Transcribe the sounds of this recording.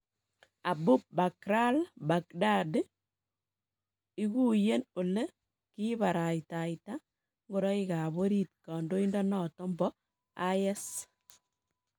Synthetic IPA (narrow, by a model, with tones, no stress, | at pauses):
a˨bu˦p̚ba˨kɾa˦lba˨k̚da˦de˦ | i˦ku˦je˦no˨le˦ | ki˦βa˨ɾa˨ɪ˨ta˨ɪ˨ta˦ | ŋɡo˨ɾɔ˦i˦ka˨βo˦ɾi˦t̚kɔ˨ndo˦i˦ndɔ˦nɔ˦˨tɔ˦mbɔ˦ | a˦jɛ˦s